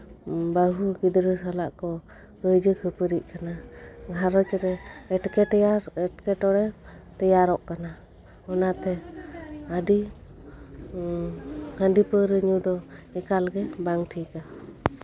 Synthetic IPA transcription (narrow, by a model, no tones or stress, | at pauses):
baɦuɡid̪ɾəsalaʔkɔ | kəd͡ʒəkʰəpəɾiʔ̚kanaɡʱaɾɔt͡ʃɾɛːʈkɛʈaɾɛʈkɛʈɔɽɛt̪ɛjaɾɔʔkana | ɔnat̪ɛ | adi | hanɖipəɾəɲud̪ɔɛkalɡɛbaŋʈʰika